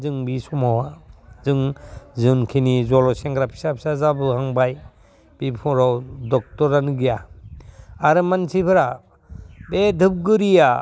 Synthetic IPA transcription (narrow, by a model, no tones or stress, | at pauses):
zɯŋbisɔmawazɯŋzɯnkʰinizɔlɔseŋɡɾapʰi̥sapʰi̥sazabɯhaŋbaj | b̥ipʰɔɾɔwdɔk̚tɔɾanɯɡija | aɾɯmansʰipʰɯɾa | bedʱɯp̚ɡɯɾija